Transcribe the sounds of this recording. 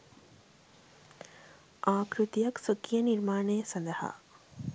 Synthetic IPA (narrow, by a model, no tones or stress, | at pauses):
ʔaːkɾut̪ijɐksokːijɐniɾmaːnejɐsɐnd̪ɐha̰ː